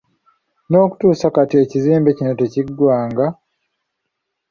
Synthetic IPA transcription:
no̞ːku̥tuːsakatie̞ciziːmbe̞cino̞te̞ciɡwaːŋɡa

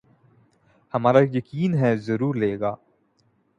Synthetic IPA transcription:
hɐmaːɾajɐkiːnɦɛzɐɾuːɾleːɡaː

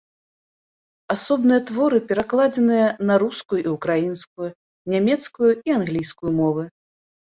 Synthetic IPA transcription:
asɔbnɨjɐt̪vɔɾɨpʲɛɾaklˠad͡zʲɛnɨjɐnɐɾuskujuʔiukɾajinskuju | nʲamʲɛt̪skujuianɣlʲijskujumɔvɨ

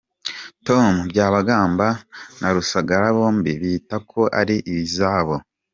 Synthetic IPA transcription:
to̞mubɟaːβaɡaːmbanʔaɾusaɡaɾaβo̞ːmbiβiːtakʰo̞ʔa̰ɾiʔiβizaːβo̞

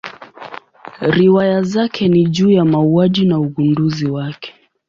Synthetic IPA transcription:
ɾiwajazakʰɛniʄuːjamauaʄinauɠunduziwakɛ̥

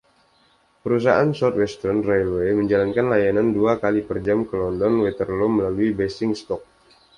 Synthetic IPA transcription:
pəɾus̬aʔansɔt̪wɛst̪ərnrɛlweməɲd͡ʒalankanlajananduakalipərd͡ʒamkəlɔndɔnwɛt̪ərloməlaluibɛsɪŋst̪ɔk̚

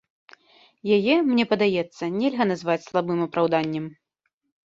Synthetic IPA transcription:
jajɛmnʲɛpɐd̪ajɛt̪sːɐnʲɛlʲɣɐnazvat͡sʲslˠabɨmɐpɾawd̪anʲːɛm

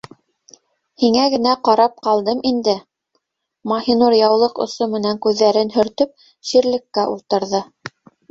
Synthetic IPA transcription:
hiŋæɡɘ̆næqɑɾɑp̚qɑlˠd̪ɤmind̪ɘ | mɑhinuɾjɑwlˠɤqŏ̰somɘ̆næŋkʉðːæɾɘnɦɵ̆ɾt̪ɵp̚ | ʃiɾlɘ̆kːæʔulˠt̪ɤ̆ɾðɤ

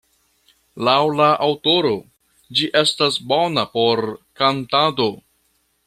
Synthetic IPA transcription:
lawlaʔawto̞ɾo̞ | d͡ʒiʔe̞stasbo̞napo̞ɾkantado̞

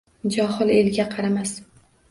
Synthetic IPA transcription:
d͡ʒɒhɨlelɡʲaqʰɑɾamas

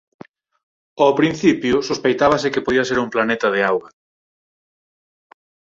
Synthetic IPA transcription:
apɾin̟θipjʊsospejt̪aβɐsɪkepoðiɐseɾumplanet̪ɐðɪawɣɐ

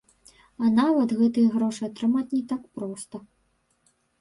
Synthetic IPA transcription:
ɐnavɐt̪ɣɛt̪ɨjɐɣɾɔʂɨɐt̪ɾɨmat͡sʲnʲɛt̪ak̚pɾɔst̪ɐ

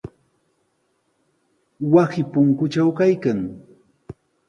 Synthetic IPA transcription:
wasɪpʊŋkʊt͡ʃawkajkaŋ

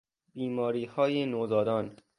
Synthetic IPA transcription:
biːmɒːɾiːhɒːjenoːzɒːd̪ɒːn

